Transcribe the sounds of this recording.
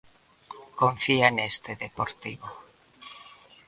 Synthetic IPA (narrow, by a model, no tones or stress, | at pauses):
koɱfianest̪eðepoɾt̪iβo